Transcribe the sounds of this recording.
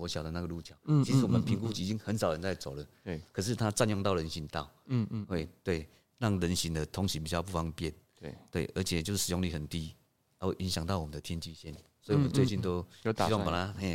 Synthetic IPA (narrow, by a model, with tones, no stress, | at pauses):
wɔ˧˦ɕja˨˩ʊd̪ə˦na˥˩ə˩lu˥˩t͡ɕʰja˨˦ʊi˧˥s̩˧˥wɔ˨˩mə˧npʰi˧˦ŋku˥˧t͡ɕi˧˨˩t͡ɕi˦ŋhə˧˦nsʊɻə˧˦nt͡sa˥˩ɪt͡so˨˩ʊlə˩ | kʰə˨˩ʂ̬ɻ̩˥˧t̪ʰa˦t͡sa˥˧njŋt̪ɑ˥˩ʊɻə˧˦nɕi˧˦nt̪a˥˨ʊwe˥˩ɪt̪we˥˩ɪ | ɻa˥˩ŋɻə˧˦nɕi˧˦ŋd̪ə˨t̪ʰʊ˧˥ŋɕi˧˦pi˨˩t͡ɕjʊpu˥˩fa˧˥ŋpjɛ˥˨n˧˩ | t̪we˥˩ɪʔə̰˧˥t͡ɕʰjɛ˨˩t͡ɕjo˥˧ʊʂ̩˥˩ʂɻ̩˨jo˥˧ŋli˧˩hə˨˩nt̪i˦ | a˧˦we˥˧˩ʔi˧˦nɕ̬ja˨˩ŋt̪ɑ˥˩ʊwɔ˨˩ə˨nd̪ə˧t̪ʰjɛ˦˥nt͡ɕi˥˧ɕjɛ˥˨nswɔ˧˥i˨wɔ˨mə˧˦t͡swe˥˧ɪt͡ɕi˥˩nt̪ɔ˦ʊ˧i˨˦˥a˥˨pa˨˩t̪ʰa˦ɛ̃˥˧˨